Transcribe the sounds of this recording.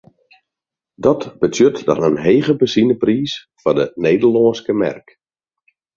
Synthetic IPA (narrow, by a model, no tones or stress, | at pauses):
dɔtb̥ətʰjøtdɔ̰nənɦeːɣəbəsinəpriːs | fɔdəneːdəlɔːnskəmɛ̰rk